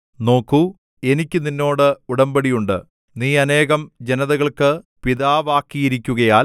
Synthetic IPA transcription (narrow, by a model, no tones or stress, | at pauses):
no̞ːkːu | e̞nikʲːɨninːo̞ːɽɨuɽɐmbɐɽijuɳɖɨ̰ | niːɐne̞ːɣɐmd͡ʑe̞nɐðɐɣɐɭkɨpiðaːʋaːkːijiɾikʲːuɣɐjaːl